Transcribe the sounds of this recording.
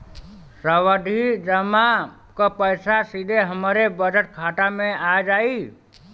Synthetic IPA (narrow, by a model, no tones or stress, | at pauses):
səwəd̪ʱid͡ʒəma | kəpəjsasid̪ʱeɦəmɾebəd͡ʒəʈ̚kʰaʈamẽad͡ʒai